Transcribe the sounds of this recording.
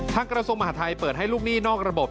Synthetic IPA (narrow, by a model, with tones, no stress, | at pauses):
t̪ʰaː˧˥˩ŋkɾa˧su˧əŋma˧haː˨˦˥t̪ʰa˧jpɤː˨˩t̪̚ɦa˥˩jluː˥˩k̚niː˥˩nɔː˥˩k̚ɾa˧bo˨˩p̚